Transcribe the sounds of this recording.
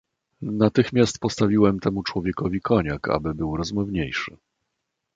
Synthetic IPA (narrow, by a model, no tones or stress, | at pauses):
nat̪ɘxmʲjast̪pɔst̪avʲiwɛmt̪ʰɛmut͡ʂwɔvʲjɛkɔvʲikʰɔɲaka̰bɘbɘwɾɔzmɔvɲejʂɘ̰